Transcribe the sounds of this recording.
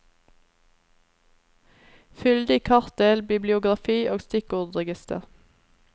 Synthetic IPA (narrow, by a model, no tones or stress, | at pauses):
fʏld̪ɪkʰɑʁt̪̚d̪eːlbɪblɪʊɡʁɑfiːʔoːɡst̪ɪkʊʁd̪ʁəɡɪst̪ə̰ʁ